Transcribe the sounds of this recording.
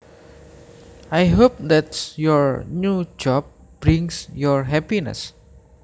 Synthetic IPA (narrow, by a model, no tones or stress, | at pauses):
ʔajɦop̚d̪ɛtjɔɹnud͡ʒɔb̚ | b̥ɾiŋsjɔɹɦɛpinə̰s